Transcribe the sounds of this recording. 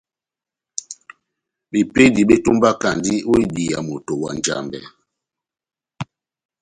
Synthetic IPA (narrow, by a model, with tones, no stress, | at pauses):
bi˨pe˦di˨ɓe˦tu˦mba˦ka˨ndi˦o˦i˦di˨ja̰˨mo˨to˨wa̰˨n˨d͡ʒa̰˨mbɛ̰˨